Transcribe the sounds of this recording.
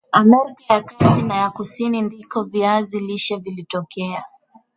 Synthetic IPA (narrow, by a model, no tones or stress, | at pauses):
amɛɾikajakasinajakusinindikɔviaziliʃavilitɔkʰɛa